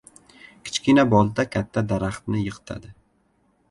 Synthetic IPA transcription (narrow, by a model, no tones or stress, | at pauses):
kʲʰɪ̥t͡ʃkʲinabɒlˠd̪akʲʰat̪ʰːad̪aɾaχt̪nɪjɨqʰɨ̥t̪ʰa̰d̪ɪ